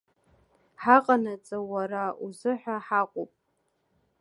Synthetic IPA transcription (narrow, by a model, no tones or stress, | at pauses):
ħaqʼanat͡sʼawaɾauzɨħʷᶣaħaqʷʼopʼ